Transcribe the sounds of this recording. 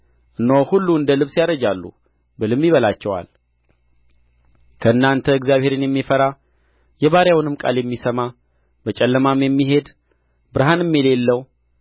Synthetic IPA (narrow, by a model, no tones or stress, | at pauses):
ʔɨnːowhulːuɨnd̪əlɨβsjaɾəd͡ʒalːṵ | bɨlɨmːiβəlat͡ʃːɛwa̰l | kʰəɨnːant̪ʰəɨɡzjaβheɾɨnjɛmːifəɾa | jɛβaɾjawnɨmkʼa̰ljɛmːisəma | bət͡ʃʼɛlːəmamjɛmːiɦe̞d̪ | bɨɾɦanɨmːjɛle̞lːəw